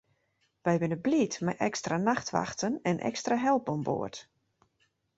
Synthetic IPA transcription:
ʋɛjʋɪnəblitmɛjʔɛkstranaxtʋa̰xtənɛnʔɛ̰kstraɦɛlˠbɔmbo̰ət

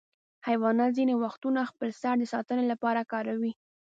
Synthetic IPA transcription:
hajwɑnazinewaxt̪unaxpəlsaɽd̪əsɑt̪ənelapɑɾakɑɾawi

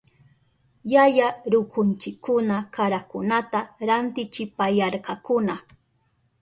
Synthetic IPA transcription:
jajaɾʊkʊnt͡ʃɪkːʊnakaɾakʊnat̪aɾant̪ɪt͡ʃɪpajɑɾqɑkʊna

